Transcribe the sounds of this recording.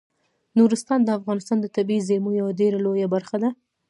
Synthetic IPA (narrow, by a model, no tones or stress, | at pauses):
nuɾɪst̪ɑnd̪əafɣɑnɪst̪ɑnd̪ət̪abizemojawadeɾalojabaɾxad̪a